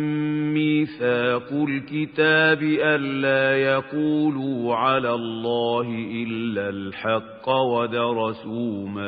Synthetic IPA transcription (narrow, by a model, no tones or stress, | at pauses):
mːiːθaːqʊlkɪt̪aːbɪʔanːaːjaquːluːʕalaːlˤːɑːɦɪʔɪlːalħɑqːɑwad̪ɑɾˤɑsuːma